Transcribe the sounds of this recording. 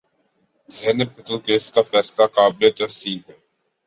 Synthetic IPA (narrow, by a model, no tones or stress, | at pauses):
zɛːnɪpɪt̪əlkeːskafɛːslakaːblet̪ɐsiːnɦɛː